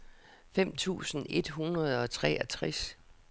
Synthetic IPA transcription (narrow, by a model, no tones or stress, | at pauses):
fem̰t͡sʰṵːsn̩e̝d̥ɦunʁɐð̞ˠɒ̽t͡sʰʁɛ̰æt͡sʰʁɛs